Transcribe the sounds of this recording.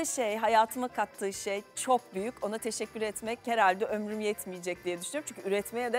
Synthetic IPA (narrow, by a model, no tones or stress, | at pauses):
ɯʃejɦajaːt̪ʰɯmakʰat̪ʰːɯːʃejt͡ʃʰo̞k̚byjyco̞nat̪ʰe̞ʃɛcʰʲːyɾɛt̪mɛche̞ɾalʲd̪ɛʔø̞mɾymjɛt̪mijed͡ʒɛc̚d̪ijɛd̪yʃynyjoɾmt͡ʃʰy̥nɲcʰyyɾɛt̪me̞jɛd̪ɛ